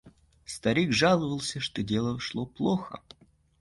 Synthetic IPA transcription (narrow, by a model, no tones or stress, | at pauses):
st̪ɐɾʲiɡʐalˠəvəlˠsʲəʂt̪odʲe̞lˠəʂlˠoplˠoxə̰